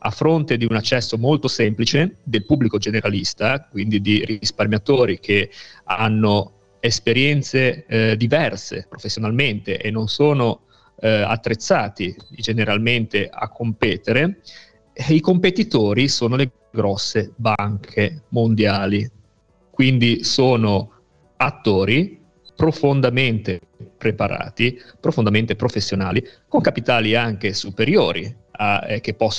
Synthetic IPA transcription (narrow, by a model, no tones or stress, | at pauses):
a̰fːɾont̪ed̪iunat͡ʃːɛsːomolt̪osemplit͡ʃed̪elpubːlikod͡ʒeneɾalist̪akwind̪id̪irisparmjat̪oːɾik̟ʰeanːo | espeɾjɛnt̪sed̪ivɛrsḛpɾofesːjonalment̪ḛʔenːonsoːno | a̰t̪ːɾet̪sːaːt̪id͡ʒeneɾalment̪ea̰kʰːompɛːt̪eɾe | ikompet̪it̪oːɾisoːnole | ɡɾɔsːebaŋkʰemond̪jaːli | kwind̪isoːno | at̪ːoːɾi | pɾofond̪ament̪e | pɾepaɾa̰ːt̪ipɾofond̪ament̪epɾofesːjona̰ːlikoŋkapit̪aːliaŋk̟esupeɾjoːɾʔḭ | ak̟epːɔsː